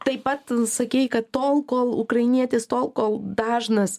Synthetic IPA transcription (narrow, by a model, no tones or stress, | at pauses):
t̪ɐɪpɐt̪sɐkʲɛɪkɐt̪t̪oːlˠkoːlˠʊkɾɐɪnʲiɛt̪ʲɪst̪oːlˠkoːlˠd̪ɑːʒnɐs